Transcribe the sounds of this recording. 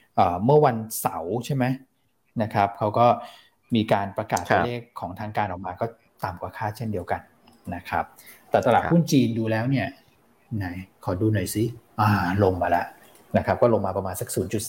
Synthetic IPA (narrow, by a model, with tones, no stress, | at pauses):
ʔɤː˨˩mɯ˥˩ɐwa˧nsa˩˦wt͡ɕʰa˥˩ma˦˥j | na˦˥kʰa˦˥p̚kʰa˦˥wkɔː˥˩ | miː˧kaː˧npɾa˧kaː˨˩t̪kʰa˧˦leː˥˩kʰːɔː˩˦ŋt̪ʰaː˧˥ŋkaː˧nʔɔː˨˩k̚maː˧kɔː˥˩ | t̪aː˨˩mkwaː˧kʰaː˥˩t͡ɕʰe˥˩ndi˧əwka˧nː | a˦˥kʰɾa˦˥p̚t̪ɛː˨˩t̪ɾa˧laː˨˩u˥˩nt͡ɕiː˧nduː˧lɛː˦˥wni˥˩ɐ | na˨˩˦jkʰɔː˩˦duː˧na˨˩jsi˨˦ʔaː˨˩lo˧ŋmaː˧la˦˥ʔ | na˦˥kʰa˦˥p̚kɔː˥˩lo˧mːaː˧pɾa˧maː˧nsa˨˩k̚suː˩˦nt͡ɕu˨˩t̪̚